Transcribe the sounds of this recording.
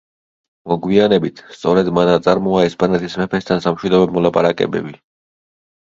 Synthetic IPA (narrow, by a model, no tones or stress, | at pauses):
mɔɡwianɛbit̪ʰst̪sʼɔɾɛd̪manat̪sʼaɾmɔaɛspʼanɛt̪ʰismɛpʰɛst̪ʰansamʃwid̪ɔbɛmɔlˠapʼaɾakʼɛ̰bɛ̰bi